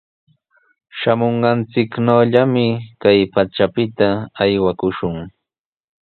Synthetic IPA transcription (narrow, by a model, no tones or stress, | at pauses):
ʃamoɴɢɑnt͡sɪknowʎamɪkajpat͡ʃapɪt̪aːjwakʊʃʊŋ